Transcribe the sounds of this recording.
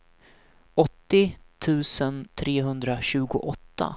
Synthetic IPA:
ɔt̪ːɪt̪ʰʉ̟ːsənt̪ʰɾeːɦɵnd̪ɾaɕʉ̟ːɡʊ̰ʔɔt̪ʰːa̰

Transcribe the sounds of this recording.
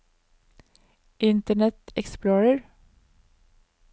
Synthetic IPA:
ʔɪnt̪əɳɛt̪ɛ̰ksploːɹəɹ

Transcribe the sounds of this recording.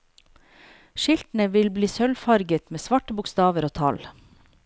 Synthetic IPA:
ʃɪlt̪n̩əʋɪlbliːsœlfɑɾɡət̪meːsʋɑʈəbʊkst̪ɑːʋəɾoːt̪ʰɑ̰l

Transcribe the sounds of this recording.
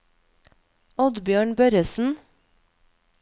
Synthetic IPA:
ɔd̪bjøːɳbœɾəsn̩

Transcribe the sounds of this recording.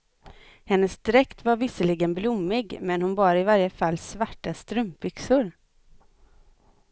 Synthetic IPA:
hɛnːəsd̪ɾɛkt̪vaɾvɪsəlɪɡənblʊmːɪɡmɛnhʊnbɑːɾɪvaɾjəfalːsvaʈːast̪ɾɵmpbʏksʊɾ

